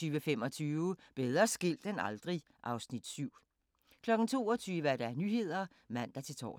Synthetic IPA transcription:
yːʋəfem̰ɒ̽t͡sʰyːʊəb̥eð̞ˠʁɐsɡ̥e̝l̰d̥enɑ̈ld̥ʁi | ʔɑ̈ʊsnid̥syʊ̰ | kʰlɒ̽ɡ̥n̩t͡sʰo̝̰ːɒt͡sʰyːʋəæɐɾ̥ɑæɐnyɦe̝ð̞̰ˠɐ | mæn̰d̥ɑt͡sʰe̝lt͡sʰɒ̰ː

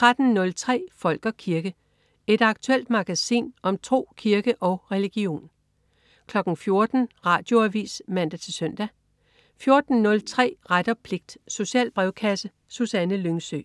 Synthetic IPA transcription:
t͡sʰʁad̥n̩nɔ̽lt͡sʰʁɛ̰ːfɒ̽l̰ɡ̥ɐkʰiɐɡ̥ə | e̝d̥ɑ̈ɡ̥t͡sʰuel̰d̥mɑ̈ɡ̥æsḭːnɒ̽mt͡sʰʁo̝̰ːkʰiɐɡ̥əʔɒ̽ʊʁɛliɡ̥io̝̰ːn | kʰlɒ̽ɡ̥n̩fjo̝ɐd̥n̩ʁɑ̰̈ːd̥jo̝æʋḭːsmæn̰d̥æt͡sʰe̝lsøn̰d̥æ | fjo̝ɐd̥n̩nɔ̽lt͡sʰʁɛ̰ːʁad̥ɐpʰle̝ɡ̥̚d̥so̝ɕɛ̰ːlb̥ʁɛʊkʰæsə | susænəløŋsø̰

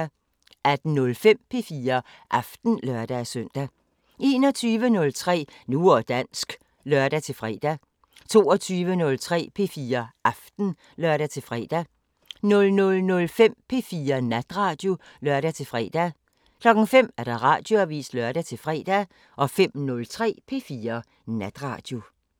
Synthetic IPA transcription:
æd̥n̩nɔ̽lfem̰pʰe̝fiːɐ | ʔɑfd̥n̩lɶɐd̥æsøn̰d̥æ | e̝ːnɒ̽t͡sʰyːʋənɔ̽lt͡sʰʁɛ̰ːnuɒd̥æn̰sɡ̥ | lœɐd̥æt͡sʰe̝lfʁɛ̰ːd̥æ | t͡sʰo̝̰ːɒt͡sʰyːʋənɔ̽lt͡sʰʁɛ̰ːpʰe̝fiːɐʔɑfd̥n̩ | lɶɐɾæt͡sʰe̝lfʁɛ̰d̥æ | nɔ̽lnɔ̽lnɔ̽lfem̰pʰe̝fiːɐnæd̥ʁɑ̈ːd̥jo̝ | lɶɐɾ̥æt͡sʰe̝lfʁɛ̰ːd̥æ | kʰlɒ̽ɡ̥ŋ̩fem̰æɐɾ̥ɑ̈ʁɑ̈d̥jo̝æʋḭːslœɐɾ̥æt͡sʰe̝lfʁɛ̰ːd̥æ | ʔɒ̽fem̰nɔ̽lt͡sʰʁɛ̰ːpʰe̝fiːɐ | næd̥ʁɑ̰̈ːd̥jo̝

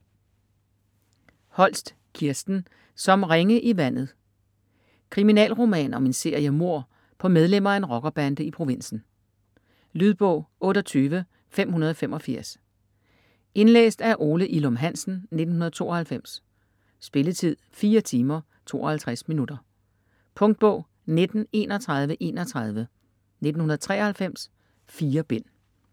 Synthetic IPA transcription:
hɒ̽l̰sd̥ | kʰiɐsd̥n̩ | sɒ̽mʁeŋəʔiʋæn̰ð̞̩ˠ | kʰʁiminɛ̰ːlʁo̝mɛ̰ːnɒ̽me̝nse̝ɐ̰jəmo̝ɐ̰ | pʰɒ̽með̞ˠlem̰ɐæe̝nʁɒ̽ɡ̥ɐb̥ænd̥əipʰʁo̝ʋe̝n̰sn̩ | lyðˠb̥ɔ̽ʊ̰ɔ̽ːɾ̥ɒt͡sʰyːʋə | fem̰hunɐð̞ˠɒ̽femɒ̽fiɐ̰s | e̝nlḛːsd̥æɐʔo̝ːləʔilɒmɦæn̰sn̩ned̥n̩hɦunɐð̞̩ˠt͡sʰo̝ːʔɐ̽hælfem̰s | sb̥e̝lət͡sʰið̞̰ˠfiːɐt͡sʰiːmɐ | t͡sʰo̝̰ːɒhælt͡sʰʁasminud̥ɐ | pʰɔ̽ŋd̥̚b̥ɔ̽ʊ̰ | ne̝d̥n̩e̝ːnɒt͡sʰʁɑ̈ð̞ˠʋəʔe̝̰ːnɒt͡sʰʁɑ̈ð̞ˠʋə | ne̝d̥n̩hunɐð̩ˠt͡sʰʁɛ̰ːɐhælfem̰s | fiːɐb̥en̰

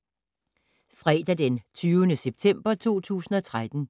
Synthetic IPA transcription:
fʁɛːd̥æd̥ent͡sʰyːʊənəseb̥̚t͡sʰem̰b̥ɐt͡sʰo̝̰ːt͡sʰṵːsn̩ɒ̽t͡sʰʁad̥n̩

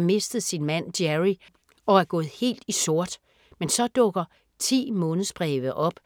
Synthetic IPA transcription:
me̝sd̥ð̞̩ˠsinmæn̰d̥jæʁi | ɒ̽æɐɡ̥ɔ̽ːð̩ˠhe̝̰ːld̥iso̝ɐ̰d̥ | mensɒ̽d̥ɔ̽ɡ̥ɐ | t͡sʰḭːmɔ̽ːnð̩ˠsb̥ʁɛːʋəʔɒ̽b̥

